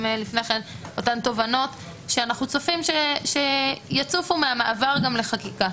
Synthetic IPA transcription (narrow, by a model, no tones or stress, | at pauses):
mlifne̞χeno̞tanto̞vano̞t | ʃeanaχnut͡sofimʃeʃejat͡sufumeamaʔavaʁɡamle̞χakika